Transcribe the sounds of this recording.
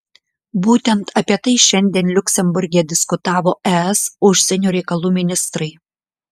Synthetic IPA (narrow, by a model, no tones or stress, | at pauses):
buːt̪ʲɛnt̪ɐpʲiɛt̪ɐɪʃʲɛnʲd̪ʲiɛnlʲʊkʲsʲɛmbʊɾʲɡʲɛd̪ʲɪskʊt̪ɑːʋoːʔɛɛsʊʃʲsʲɛnʲuːɾʲɛɪkɐlˠuːmʲɪnʲɪst̪ɾɐɪ